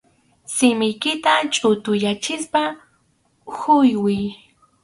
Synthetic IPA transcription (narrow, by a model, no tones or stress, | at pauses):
sɪmɪjkɪt̪at͡ʃʼʊt̪ʊjat͡ʃɪspa | hʊjwɪj